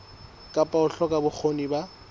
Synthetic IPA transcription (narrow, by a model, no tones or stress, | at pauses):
kʼapʼaʊɬɔkʼabʊk͡xʰoniba